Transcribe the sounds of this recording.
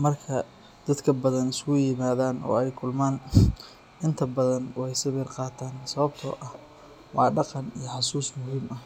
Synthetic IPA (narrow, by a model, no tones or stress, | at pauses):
mɐrkʰɐ | d̪̥ɐd̪kʰɐbɐðɐnɪskʰʊjɪmaːðaːnɔ̰ːɛjkʰʊlmaːn | ʔɪnt̪ʰɐbɐðɐnwɛjsɐβɪrqɑːt̪ʰaːnsɐβɐb̚t̪ʰɔʔɐh | wɑːɖɑqɑnijɞħɑsuːsmʊhiːmɐh